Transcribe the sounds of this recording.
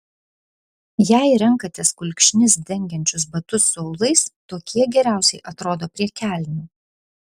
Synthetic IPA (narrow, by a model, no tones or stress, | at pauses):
jæˑɪɾɛŋˑkɐt̪ʲɪskʊlʲkʲʃʲnʲɪs̬d̪ʲɛŋʲɡʲɛnʲt͡ʃʲʊsbɐt̪ʊsɐʊlˠɐɪst̪oːkʲiɛɡʲɛɾʲæˑʊsʲɛɪʔɐt̪ɾoːd̪oːpʲɾʲiɛkʲæːˑlʲnʲuː